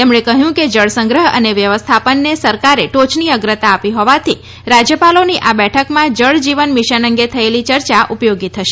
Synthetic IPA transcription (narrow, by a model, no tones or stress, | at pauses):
t̪emɳ̃ekəɦjũked͡ʒəɭsə̃ŋɡɾəɦə̰neʋjəʋəst̪ʰapənːesəɾkaɾeʈot͡ʃniəɡɾət̪aːpiɦɔʋat̪ʰi | ɾad͡ʒjəpaloniʔabɛʈʰəkmãd͡ʒəɭd͡ʒiʋənmiʃənəŋɡet̪ʰəelit͡ʃəɾt͡ʃaʔupjoɡit̪ʰəʃe